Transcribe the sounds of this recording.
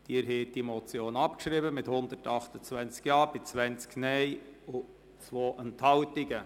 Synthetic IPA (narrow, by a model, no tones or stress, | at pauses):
d̥iːɾɦeːt̚d̥imɔt͡sjoːnɑpkʃɾibəmɪthʊnd̪əɾtɑχt̪ət͡svɛnt͡skjɑːb̥ɪt͡sʋɛnt͡sknɛɪʊ | t͡sʋoːʔənthɑʊtɪɡə